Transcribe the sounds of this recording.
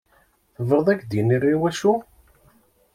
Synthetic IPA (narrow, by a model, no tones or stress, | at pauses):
θəvəɾðˤækd̪jinirːiwæʃu